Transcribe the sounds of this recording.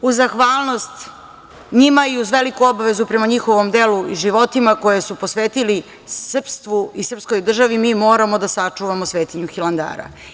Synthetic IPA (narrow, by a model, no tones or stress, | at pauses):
uzaxʋaːlˠno̞st̪ | ɲimaiuzʋe̞likuo̞baʋe̞zupɾe̞maɲixo̞ʋo̞md̪eluiʒiʋo̞t̪imako̞jesupo̞sʋeːt̪ili | sr̩pst̪ʋuisr̩psko̞jd̪r̩ʒaʋimiːmo̞ːɾamod̪asat͡ʂuʋamosʋeːt̪iɲuxilˠand̪a̰ːɾa̰